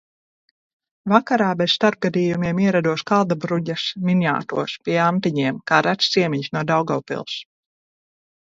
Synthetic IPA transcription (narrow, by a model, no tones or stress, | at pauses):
vakaɾaːbɛsst̪aɾp̚ɡad̪iːjumiɛmiɛɾad̪uɔskalˠd̪abɾuɟasminja̰ːt̪ṵɔspʲiɛamt̪iɲiɛmkaːɾat̪st̪siɛmiɲsnuɔd̪awɡɔwpḭlˠs